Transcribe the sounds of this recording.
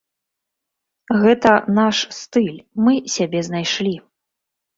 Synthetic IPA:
ɣɛt̪ɐnaʂst̪ɨlʲmɨsʲabʲɛznajʂlʲi

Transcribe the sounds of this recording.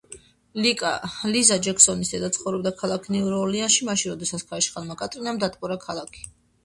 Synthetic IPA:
lʼlizad͡ʒɛksɔnisd̪ɛd̪at̪sʰχɔvɾɛbd̪akʰalˠakʰnɛuɾɔlianʃimaʃinɾɔd̪ɛsat̪sʰkʰaiʃχalˠmakʼat̪ʼɾinamd̪at̪ʼpʼɔɾakʰalˠakʰi̥

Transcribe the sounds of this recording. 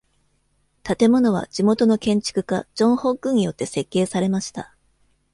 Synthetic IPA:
t̪at̪e̞mo̞no̞β̞a̰d͡ʑimo̞t̪o̞no̞kẽ̞ɲ̟t͡ɕi̥kɯ̟kad͡ʑõ̞ɰ̃ho̞kːɯ̃ɲ̟ijo̞t̪ːe̞se̞kːe̞ːsaɾe̞maɕi̥t̪a

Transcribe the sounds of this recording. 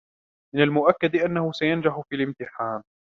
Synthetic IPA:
mɪnalmʊʔakːad̪ɪʔanːahʊsajand͡ʒaħʊfiːlɪmt̪ɪħaːn

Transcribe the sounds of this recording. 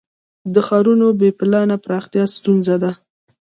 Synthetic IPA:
d̪əxɑɾunobepɪlɑnapɾɑxt̪jɑst̪unzad̪a

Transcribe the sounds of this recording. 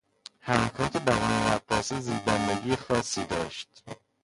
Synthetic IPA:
hæmækʰɒːt̪ʰebæɾɒːneɾæbɒːseziːb̪ænd̪eɡiːjexɒːsːiːd̪ɒ̰ːʃt̪

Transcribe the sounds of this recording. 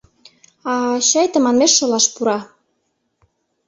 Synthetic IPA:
ɑɕɑjt̪ə̆mɑnmeʃːŏlɑʃpuɾɑ

